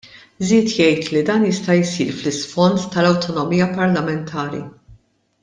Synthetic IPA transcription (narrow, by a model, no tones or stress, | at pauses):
ziːt̪jɛjt̪lid̪ɐːnjɪst̪ɐjsḭːɾflɪsfɔnt̪ːɐlɐwt̪ɔnɔmiːjɐpɐɾlɐmɛnt̪ʰɐːɾḭ